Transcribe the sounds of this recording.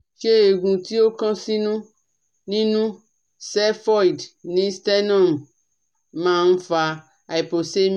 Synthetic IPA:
ʃe˦e˨ɡũ˨t̪i˦wo˦kã˦sĩ˦nũ˦ | nĩ˦nũ˦ | sɛ˦fɔ˦i˨dnĩ˦st̪ɛ˦nɔ̃˦˨m | mã˦n̩˦fa˨ | a˨i˨po˨se˦m

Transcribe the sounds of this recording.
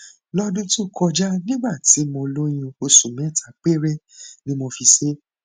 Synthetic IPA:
lɔ˦dũ˦tu˦kʰɔ˧d͡ʒa˦nĩ˦ɡ͡ba˦˨ti˨˦mɔ̃˧lo˦j̃ĩ˧o˧sũ˨mɛ̃˨˦˨ta˧˨k͡pe˦ɾe˦ | nĩ˦mõ˧fi˧se˦

